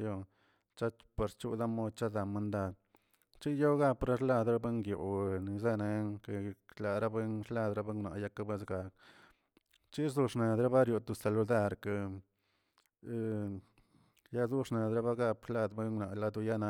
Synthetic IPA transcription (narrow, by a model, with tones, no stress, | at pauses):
jo˧ | t͡ʃa˦pa˨ɾt͡ʃu˦d̪a˦mo˦d̪t͡ʃa˦d̪a˨ma˧nd̪a˧d̪ | t͡ʃi˦jo˦ɡa˦pɾa˦ʂla˦˧d̪ɾa˦be˦ŋɡjo̰˨ni˨ze˦ne˧˦ŋke˨la˨ɾa˦be˦nʂla˧d̪ɾa˦be˦ŋɡna̰˨ja˦ka˦be˦sɡa˨k̚ | t͡ʃi˦zu˧ʂna˨d̪ɾa˦ba˦ɾjo˨t̪u˧˨sa˨lu˧d̪a˦˧˨ɾka˧ | ja˦zu˦ʂna˨d̪ɾa˦βa˦ɡa˧pʂla˧d̪be˦nɡna˨la˧d̪u˧ja˦na˧